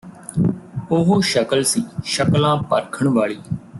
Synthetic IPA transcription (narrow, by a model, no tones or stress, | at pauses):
ʊɦoːʃəkəlsiːʃəklãːpə̰ɾkʰəɳʋaːɭiː